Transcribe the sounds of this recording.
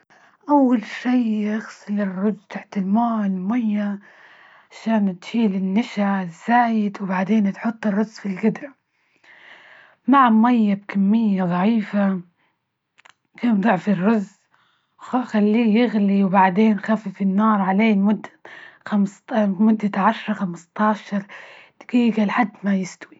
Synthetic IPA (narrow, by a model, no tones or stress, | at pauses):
ʔawːalʃiːʔaɣsˤɪlɪrˤːʊd͡ʒt̪ʰaħt̪ɪlmaːlɪmajːa | ʕʕaʃaːnt̪ʃiːlɪnːaʃaz̥ːaːjɪd̪wbaʕd̪eːnt̪ħʊt̪ˤːɨrˤːʊzːfilɡɪd̪ɾa | maʕamajːab̚kamːɪjːaðˤɑʕiːfa | kaːnd̪ˤʊʕfirˤːʊz | xalːiːjɪɣliwbaʕd̪eːnxafifinːɑːɾˤʕaleːmʊd̪ːaxamsmʊd̪ːaʕaʃɾˤɑxamɪst̪ˤɑːʃɑɾˤt̪ɡ̥iːɡalħad̪ːmajɪst̪wi